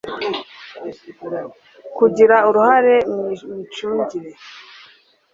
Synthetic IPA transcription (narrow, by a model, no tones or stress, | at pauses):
kuɟiɾauɾuhaɾe̞mit͡ʃuːɲɟiɾe̞